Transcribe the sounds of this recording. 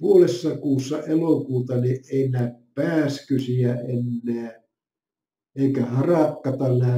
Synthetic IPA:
puolesːɑkuːsːɑʔelokuːt̪ɑnieˑinæːppæːskysiæʔenːeː | eikæhɑrɑkːɑt̪ɑnæː

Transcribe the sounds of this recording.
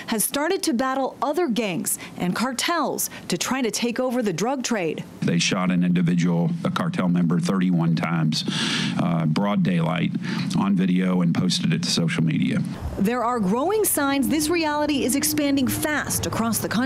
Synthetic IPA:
hɨz̥stɑɹɾɨd̚tʰɨbæɾl̩ˠʌðə˞ɡæ̃ŋz̥ʔɨ̃nkʰɑɹtʰɛlˠz̥tʰɨtʰɹ̥aɪɾɨtʰeɪkoʊvə˞ðɨdɹʌɡ̚tʰɹ̥eɪd̥ | ðeɪʃɑɾɨ̃nɪ̃ndɨvɪd͡ʒɨwl̩ˠkʰɑɹtʰɛlˠmɛ̃mbə˞θɜ˞ɾiwʌ̃ntʰãɪ̃mz̥ | bɹɔdeɪla̰ɪɾə̃n̩vɪɾioʊɨ̃npʰoʊstɨɾɨtʰsoʊʃl̩ˠmḭɾḭɨ̰ | ðə˞əɹɡɹoʊɪ̃ŋsãɪ̃nzðɪsɹiælˠəɾiɪzɨkspæ̃ndɪ̃ŋfæstɨkʰɹ̥ɔsðɨkʰʌ̃

